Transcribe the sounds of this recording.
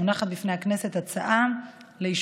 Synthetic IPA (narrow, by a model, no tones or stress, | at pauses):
unaχat̪̚bifne̞jakne̞se̞tat͡saʔamleiʃ